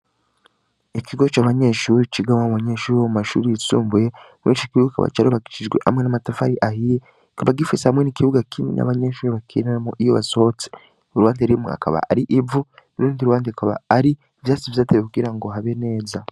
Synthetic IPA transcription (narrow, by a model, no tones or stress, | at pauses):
ikʰiɡo̞t͡ʃaβaɲe̞ʃuɾit͡ʃiɡawauβaɲeʃuːɾiomumaʃṵɾijisuːmbuje | wet͡ʃikiβuɡaka̰βa̰t͡ʃaɾoβaɡiʃid͡ʒɡwe̞̰ʔha̰mŋenamatafaɾiʔahije | kaβaɡifisahamŋe̞nikiβuɡakʰimḭna̰βaɲe̞ʃuːɾiβakʰinaamoʔijoβa̰sot͡si̥ | oɾuwaːndeaɾimḛa̰ka̰βa̰aɾiʔivuniɾuːndiɾuwaːndekaβa̰aɾi | vjaːt͡sivjaːteβekuɡiɾaŋɡo̞ɦaβe̞ne̞ːza